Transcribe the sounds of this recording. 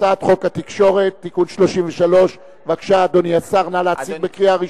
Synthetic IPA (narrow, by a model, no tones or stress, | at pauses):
at̪χo̞kat̪ikʃo̞ʁe̞t̪ːikunʃlo̞ʃimveʃalo̞ʃ | vakʃaːd̪oniasaʁnalaaikbekʁiaʁi